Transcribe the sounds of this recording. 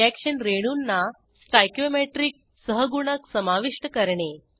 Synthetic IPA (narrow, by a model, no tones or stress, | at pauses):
ɛkʂənɾeɽ̃unːa | sʈajkjomeʈɾiːk̚ | səɦəɡuɽ̃aksəmaʋiʂʈəkəɾɳe